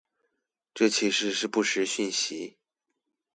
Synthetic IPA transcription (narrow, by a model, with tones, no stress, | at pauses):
ʈ͡ʂɤ˥˩t͡ɕʰi˧˥ʂɻ̩˥˧ʂɻ̩˥˧pu˥˩ʂɻ̩˧˥ɕy˥˩nɕi˧˥